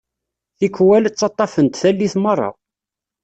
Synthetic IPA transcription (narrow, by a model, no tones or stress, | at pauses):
θikwælt͡sːɑt̪ˤːɑfənt̪θælːiθmərˤːɑ̰